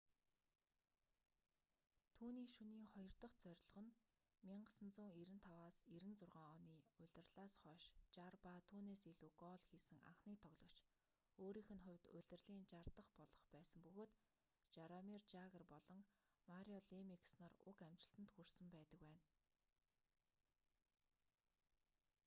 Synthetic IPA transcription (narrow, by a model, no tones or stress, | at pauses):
t̪ʰuːniːʃuniːŋχɔjɞ̆r̥t̪ə̆χt͡sœɾ̆ʲɮ̆ʁɞ̆n | miɴɢə̆sə̆nt͡sʊːŋiɾɘ̆nt̪ʰawaːsiɾɘ̆nt͡sʊrʁaːŋɔniːʊɮʲɪ̆rɮaːsχœːʃt͡ɕarpat̪ʰuːneːsiɮuːkɔːɮxiːsɘ̆ŋa̰ɴχniːk̚t̪ʰɔɣɮɞ̆kt͡ɕ | oːɾiːxɘ̆nχʊ̟wʲt̪ʊɮʲɘ̆rɮiːnt͡ɕart̪ə̆χpɔɮɞ̆χpæːsə̆mpɵɣoːt̪ | t͡ɕaɾamirt͡ɕaɣə̆rpɔɮɞ̆ŋmaɾʲiɔɮemikʰsnărʊ̰kæmt͡ɕɪ̆ɬt̪ɘ̆nt̪xursɵ̆mpæːt̪ə̆kwæːn